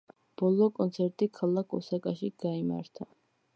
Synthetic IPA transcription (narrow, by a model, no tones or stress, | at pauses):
b̥ɔlˠɔkʼɔnt̪sʰɛɾt̪ʼikʰalˠakʰɔ̰sakʼaʃiɡ̥aima̰ɾt̪ʰa